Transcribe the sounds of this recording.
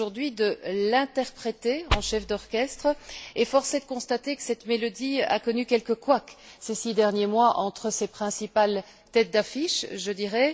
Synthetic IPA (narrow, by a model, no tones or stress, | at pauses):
uʁd̪ɥid̪əlɛ̃t̪ɛʁpχet̪eɑ̃ʃɛfd̪ɔʁkʲɛst̪χəefɔʁsed̪əkɔ̃st̪at̪ekə̥sɛt̪melɔd̪ia̰kɔnykʲɛlkəkwaksesid̪ɛʁnjemwaʔɑ̃t̪χəsepχɛ̃sipal | t̪ɛt̪̚d̪afiʃʒəd̪iʁɛ